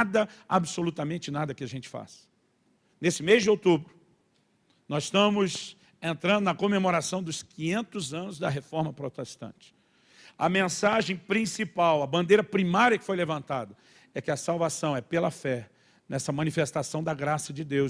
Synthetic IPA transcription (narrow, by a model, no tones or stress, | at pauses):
d̪ɐabsolut̪ɐmẽnt͡ʃɪnad̪ɐkɪɐʒẽnt͡ʃɪ̥fa̰sɐ̥ | nesɪmezd͡ʒɪowt̪ubɾʊ | nɔzɪʃt̪ɐ̃mʊs | ẽnt̪ɾɐ̃nd̪ʊnɐkomemoɾasɐ̃w̃d̪ʊskĩɲẽnt̪ʊzɐ̃nʊzd̪ɐɦefɔɾmɐpɾot̪est̪ɐ̰̃nt͡ʃɪ̥ | ɐ̰mẽsaʒẽj̃pɾĩsipawɐbɐ̃nd̪ejɾɐpɾimaɾiɐkɪ̥fojlevɐ̃nt̪ad̪ɐ | ɛkɪɐsawvasɐ̃w̃ɛpelɐfɛ | nɛsɐmɐ̃nifest̪asɐ̃w̃d̪ɐɡɾasɐd͡ʒɪd̪ew